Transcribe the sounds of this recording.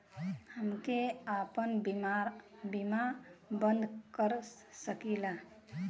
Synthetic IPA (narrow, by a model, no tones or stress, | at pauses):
həmkeapənbabimabənd̪ʱkəɾ | səkila